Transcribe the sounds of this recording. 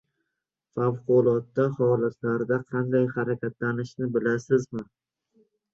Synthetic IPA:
fawqʊlˠɒt̪ːahɒlat̪ʰlaɾd̪aqʰɑnd̪ajhaɾakʲʰat̪lanɪʃnɪbɪlasɪzmɪ

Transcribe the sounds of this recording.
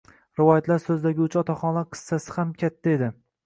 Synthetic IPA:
ɾɪvɒjat̪ʰlaɾsɵzd̪aɡʲɪʊt͡ʃʰɒt̪ʰaχɒnlaɾqʰɨ̥sːasɪ̥hamkʲʰat̪ʰːae̞d̪ɪ

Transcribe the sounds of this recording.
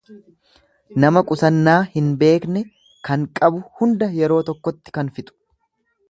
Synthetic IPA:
nɐmɐkʼʊsɐnːaːhɪnbe̞ːknɛ | kɐŋkʼɐbʊhʊnd̪ɐjɛɾo̞ːt̪ɔkːɔt̪ːɪ̥kɐnfɪt̪ʼʊ̥

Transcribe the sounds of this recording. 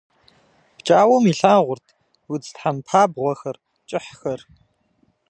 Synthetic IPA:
pt͡ʃʼaːwomiɬaːʁʷʊrtʰ | wʊd͡ztħampʰaːbʁʷɔxɐr | t͡ʃʼɪħxɐr

